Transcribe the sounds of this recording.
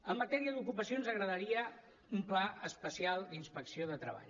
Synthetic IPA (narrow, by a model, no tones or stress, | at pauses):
əmːət̪ɛɾiəðukupəsionzəɣɾəðəɾiə | umplaəspəsialˠd̪inspəksioðət̪ɾə̰βa̰ʎ